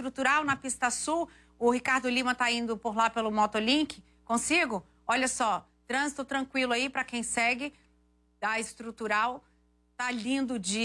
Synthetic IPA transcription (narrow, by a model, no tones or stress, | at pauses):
ɾut̪uɾawnɐpist̪ɐsuw | ʊɦikaɾd̪ʊlĩmɐ̃t̪aĩnd̪ʊpoɾlapelʊmɔt̪olĩkɪ | kõsiɡʊ | ɔʎɐsɔ | t̪ɾɐ̃zit̪ʊt̪ɾɐ̃kwilʊaipɾɐkẽj̃sɛɡɪ | ɐɪst̪ɾut̪uɾaw | t̪alĩnd̪ʊd͡ʒɪ